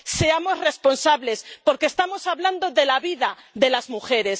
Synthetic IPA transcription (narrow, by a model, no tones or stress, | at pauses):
se̞amo̞zre̞spo̞nsaβle̞spo̞ɾkest̪amo̞saβland̪oðe̞laβiðaðe̞lazmuxe̞ɾe̞s